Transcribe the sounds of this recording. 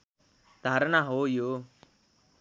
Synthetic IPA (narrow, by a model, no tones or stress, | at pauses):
d̪ʱaːɾnaːɦoːjoː